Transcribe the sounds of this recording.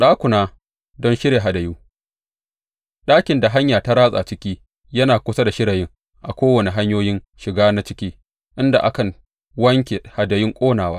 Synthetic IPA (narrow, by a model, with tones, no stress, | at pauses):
ɗaː˦kʷʊ˨naː˦ | dɔ˦nʃɪ˦ɾeː˨ɦa˨dɐ˨juː˦ | ɗaː˦kʲɪ˨nda˨ɦa˦ɲjaː˨ta˦ɾaː˦sʼa̰˨t͡ʃɪ˦kʲiː˦ | jɐ˦naː˨kʷʊ˦sa˦da˨ʃɪ˦ɽɐ˨jɪ˦ŋ | ʔa̰˨kʷoː˦wɐ˨ne˨ɦa˦ɲjoː˦jɪ˦n | ʃɪ˨ɡaː˦na˦t͡ʃɪ̥˦kʲiː˦ | ʔɪ˦nda̰˨ʔa˦kɐ˨ŋ | wɐ˦ŋkʲe˨ha˨dɐ˨jɪ˦ŋkʷʼoː˦naː˨waː˦